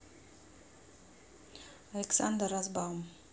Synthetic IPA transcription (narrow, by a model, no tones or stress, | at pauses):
aleksand̪əɾazbam